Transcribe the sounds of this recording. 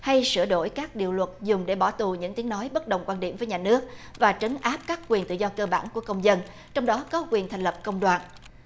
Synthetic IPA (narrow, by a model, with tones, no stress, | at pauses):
ha˧jsɨ̰˧˩əɗo̰˧˩jkaː˦˥k̚ɗḭ˨əwlwə˨˩t̚zʊ˨˩ŋ͡mɗe˧˩ɓɔ˧˩t̪u˨˩ɲɨ̰˧˥ŋt̪i˨˦ənɔ˨˦jɓə˦˥t̚ɗə˨wŋ͡mkwaː˧nɗḭ˧˩əmvə˨˦jɲaː˨˩nɨ˦˥ək̚vaː˨˩t͡ɕə˨˦ŋʔaː˦˥p̚kaː˦˥k̚kwi˨˩ənt̪ɨ̰˧˨zɔ˧kəː˧ɓa̰ː˧˩nŋku˧˩əkə˧wŋ͡mzə˧n | t͡ɕɔ˧wŋ͡mɗɔ˨˦kɔ˨˦kwi˨˩ənt̪ʰa˨˩ŋ̟lə˨˩p̚kə˧wŋ͡mɗwaː˨˩n